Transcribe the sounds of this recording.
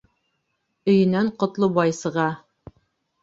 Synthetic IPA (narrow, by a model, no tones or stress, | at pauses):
ɵ̆jɘ̆næɴqŏt̪lˠobɑjsɤ̆ʁɑ